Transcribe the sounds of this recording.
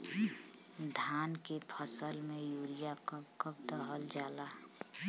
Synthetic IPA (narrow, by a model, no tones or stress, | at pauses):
d̪ʱaːnkepʰəsəlmẽjuːlijakəbkəb̚d̪əɦəld͡ʒaːla